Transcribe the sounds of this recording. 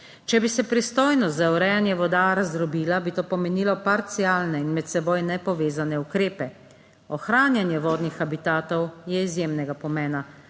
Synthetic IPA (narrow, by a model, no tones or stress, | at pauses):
t͡ʃɛbisɛpɾist̪oːjnɔst̪zauɾɛjanjɛʋɔd̪aɾazɾɔbiːlabit̪oːpɔmɛniːlɔpaɾt̪siaːlnɛinmɛt̪sɛboːjnɛpɔʋeːzanɛukɾeːpɛ | ɔxɾaːnjanjɛʋɔːd̪nixabit̪aːt̪ɔwjɛizjemnɛɡapɔmɛːna